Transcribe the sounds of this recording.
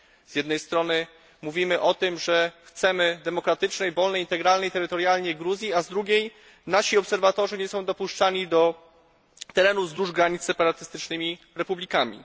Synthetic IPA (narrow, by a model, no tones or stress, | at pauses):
zjɛd̪nɛjst̪ɾɔnɘ | muvʲimɘʔɔt̪ɘmʐɛxt̪sɛmɘd̪ɛmɔkɾat̪ɘt͡ʂnɛjvɔlnɛjint̪ɛɡɾalnɛjt̪ɛɾɘt̪ɔɾjalɲɛɡɾuzʲjiazd̪ɾuɡʲej | naɕiɔpsɛɾvat̪ɔʐɛɲɛsɔ̃w̃d̪ɔpuʂt͡ʂaɲid̪ɔ | t̪ɛɾɛnuzd̪ɾuʐɡɾaɲit̪ssɛpaɾat̪ɘst̪ɘt͡ʂnɘmʲi | ɾɛpublʲikamʲḭ